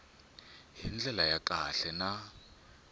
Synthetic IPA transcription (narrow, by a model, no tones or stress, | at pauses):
ɦind͡ɮɛlajakʼaɬɛna